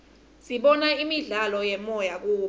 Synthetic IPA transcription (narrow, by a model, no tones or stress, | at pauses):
siɓɔnaimiɮalɔjɛmɔjak̬uː